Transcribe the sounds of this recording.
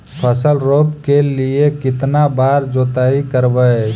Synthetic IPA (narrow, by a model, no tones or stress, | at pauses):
pʰəsəlɾopkeliekit̪nabaɾd͡ʒot̪aɦikəɾbə